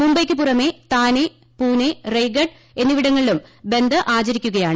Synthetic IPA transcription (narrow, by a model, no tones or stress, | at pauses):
mumbɐjkʲːɨp̬urɐme̞ːt̪aːne | puːnerejɡɐɖ | e̞nːɨʋiɽɐŋːɐɭilumbe̞nd̪ʱɐʔaːt͡ɕɐɾikʲːuɣɐjaːɳɨ